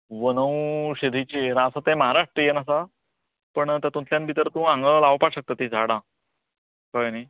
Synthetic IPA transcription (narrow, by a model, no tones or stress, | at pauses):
ʋənəwɕed̪ʱit͡ɕiɾãsat̪ẽməɦaɾaʂʈɾəjenasa | pəɳt̪at̪ũnt̪ljãnbʱit̪əɾt̪ũãŋɡəlaʋpaɕək̚t̪at̪id͡zʱaɽã | kəjni